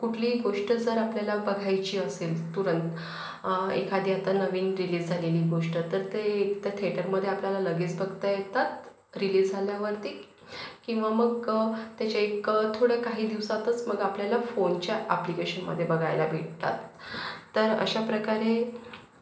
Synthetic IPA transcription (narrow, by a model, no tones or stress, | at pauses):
kuʈʰliːɡoʂʈəd͡zəɾapljalabəɡʱajt͡ɕiːəselt̪uɾənt̪ | ḛkʰad̪iat̪anəʋiːnɾiliːd͡zd͡zʱaleliːɡoʂʈət̪ːəɾt̪eːkt̪ət̪ʰeʈəɾməd̪ʱːjeapljalaləɡiːt͡sbəɡʱt̪əjet̪at̪ | ɾiliːd͡zd͡zʱaljaʋəɾt̪iː | kĩw̃ʋaməɡt̪jat͡ɕaekət̪ʰoɽekaɦiːd̪iʋsat̪ət͡sməɡapljalafont͡ɕjaʔaplikeɕənmə̰d̪ʱːjebəɡʱa̰jlabʱeʈt̪a̰t̪ː | əɾə̰ɕapɾəkaɾe